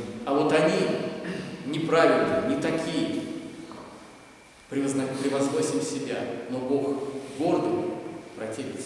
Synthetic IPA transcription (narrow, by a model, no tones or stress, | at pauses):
ɐvo̞t̪ɐnʲi | nʲɪpɾavʲɪlʲnɨjənʲɪt̪ɐkʲijə | pɾʲɪzɐpɾʲɪvɐzno̞sʲɪmʲsʲɪbʲano̞bo̞xɡo̞rd̪əmpɾɐtʲeɾʲɪt̪s